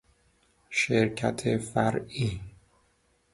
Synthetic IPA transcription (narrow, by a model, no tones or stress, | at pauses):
ʃeɾcʰæ̰t̪ʰefæɾʔiː